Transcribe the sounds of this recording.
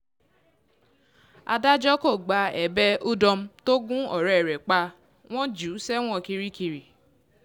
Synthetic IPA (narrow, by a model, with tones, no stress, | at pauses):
a̰˨da˦d͡ʒɔ˦ko˦˨ɡ͡ba˨ɛ˨bɛ˦u˦dɔ˧m̩˦to˦ɡũ˦ɔ˨ɾɛ˨ɾɛ˨k͡pa˧˦ | w̃ʷɔ̃˦d͡ʒu˨˦sɛ˦w̃ʷɔ̃˦˨ki˧ɾi˦ki˧ɾi˨